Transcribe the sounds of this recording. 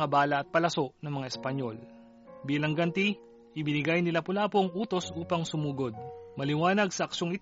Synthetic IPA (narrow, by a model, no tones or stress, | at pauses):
ɐbaːlɐʔɐt̪̚pɐlɐso̞ʔnɐŋmɐŋaɪspɐɲjo̞̰l | biːlɐŋɡɐnt̪i | ʔɪbɪnɪɡajnɪlapʊlaːpo̞ŋʔuːt̪o̞sʔuːpɐŋsʊmuːɡo̞d̪̚mɐlɪwaːnɐɡsɐʔɐkʃŋɪt̪